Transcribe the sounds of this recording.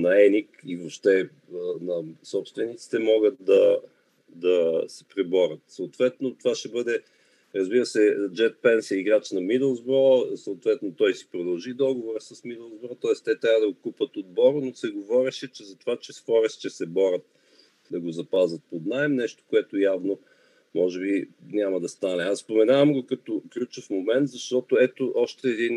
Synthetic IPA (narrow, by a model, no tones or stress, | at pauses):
nɐɛnikivopʃt̪ɛ | nɐsɔpst̪vɛnit̪si̥t̪ɛmɔɡət̪d̪ɐ | d̪ɐsɛ̥pɾɛbɔɾʲət̪soːt̪vɛt̪not̪ovaʃɛbɤd̪ɛ | ɾɐzbiɾəsɛd͡ʒɛt̪̚pɛnsɛiɡɾat͡ʃnɐmid̪ɛlˠzbɾɔsɐʊt̪vɛt̪not̪ɔjsi̥pɾod̪əlˠʒid̪ɔɡovoɾəsɐsmid̪ɛlˠzbɾɔt̪ɔɛst̪ɛt̪ɾʲavəd̪ɐɡokupət̪od̪̚bɔɾənosɛɡovɔɾɛʃɛt͡ʃɛzɐt̪ovat͡ʃɛsxɔɾɛst͡ʃɛsɛbɔɾʲət̪̚ | d̪ɐɡozɐpazɐt̪̚pod̪naɛmnɛʃt̪o̥koɛt̪ojavno | mɔʒɛbinʲamɐd̪ɐst̪anɛasspomɛnavɐmɡokɐt̪oklʲut͡ʃofmomɛnt̪zɐʃt̪ɔt̪oɛt̪oʔɔʃt̪ɛːd̪in